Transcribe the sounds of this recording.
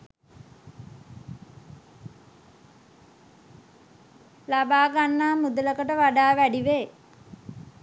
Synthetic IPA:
labaːɡanːaːmud̪ələkəʈəʋaɖaːʋæɖiʋeː

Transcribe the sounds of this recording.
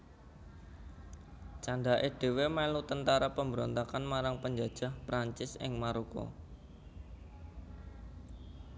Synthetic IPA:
t͡ʃaɳɖaʔeɖ̥e̤wemɛlut̪ənt̪aɾapəmbəɾɔnt̪akanmaɾaŋpəɲd͡ʒad̥ʒ̥a̤hpɾaɲt͡ʃɪsɪ̰ŋmaɾukɔ̰

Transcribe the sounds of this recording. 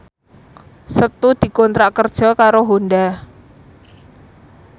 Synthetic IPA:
sət̪ud̪̥i̤kɔnt̪ɾakərd̥ʒ̥ɔ̤kaɾoɦonda

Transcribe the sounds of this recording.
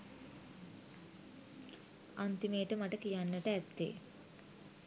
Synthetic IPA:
ant̪imeːʈəmaʈəkijanːəʈəæt̪ːḛː

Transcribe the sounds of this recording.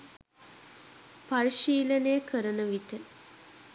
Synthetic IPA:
pariʃiːlənejəkəɾənəʋiʈə

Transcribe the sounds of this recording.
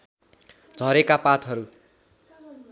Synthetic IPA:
d͡zʱʌɾekapat̪ɦʌɾu

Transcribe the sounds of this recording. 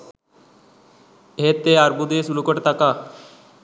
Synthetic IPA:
ɦet̪eaɾbud̪esulukəʈt̪aka

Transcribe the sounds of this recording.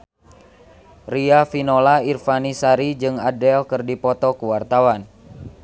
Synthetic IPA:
riafinolairfanisaɾid͡ʒɨŋadɛlkɨrdipɔt̪ɔkuwart̪awan

